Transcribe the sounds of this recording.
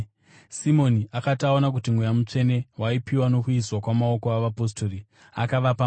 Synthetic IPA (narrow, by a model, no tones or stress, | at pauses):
simo̞niakatao̞nak̬utim̤wujamut͡ʂe̞ne̞waipiwano̞kuiswakwamao̞koaʋapo̞stori | a̰kaʋapa